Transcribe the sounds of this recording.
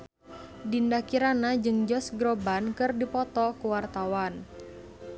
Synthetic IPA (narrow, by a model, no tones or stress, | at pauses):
dindakiɾanad͡ʒɨŋd͡ʒɔsɡɾobankɨrdipɔt̪ɔkuwart̪awan